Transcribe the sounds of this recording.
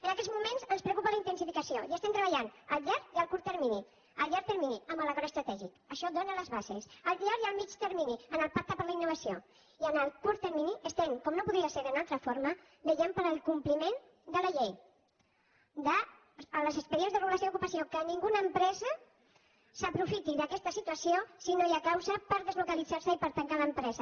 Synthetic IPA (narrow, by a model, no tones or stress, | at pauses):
ənəkɛzmumenzənspɾəwkupələint̪ənsifikəsioiəst̪ɛmt̪ɾəβəʎanəlʎaɾjəlˠkuɾt̪əɾmini | əlˠʎaɾt̪əɾminiəmbələɣɔɾəst̪ɾət̪ɛʒikəʃɔd̪onələzβazesəlˠt̪iaɾiəlˠmit͡ʃt̪əɾminiənəlˠpak̚t̪əpəɾləinːuβɐsio | iənəlˠkuɾt̪əɾminiʔəst̪ɛmkɔmnopuðɾiəseɾðunalˠt̪ɾəfoɾmə | bəʒɛmpəɾəlˠkumplimen | d̪əlɐʎej | d̪əː | ləzəspəɾienzðərəɣulasoukupəsiokəniŋɡunəːmpɾɛzə | səpɾufit̪iðəkɛst̪əsit̪uəsiosinojakawzəpəɾðəzlukəlid͡zaɾsəipəɾt̪əŋkaləmpɾɛzə